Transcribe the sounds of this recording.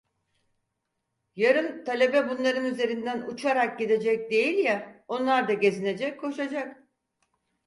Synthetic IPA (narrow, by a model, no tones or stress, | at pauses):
jaɾɯnt̪ʰalʲe̞bɛbunlˠaɾɯnyze̞ɾind̪ænut͡ʃʰaɾak̚ɟid̪e̞d͡ʒɛc̚d̪e̞jilʲjɛo̞nlˠaɾd̪aɟe̞zine̞d͡ʒɛcʰːo̞ʃad͡ʒak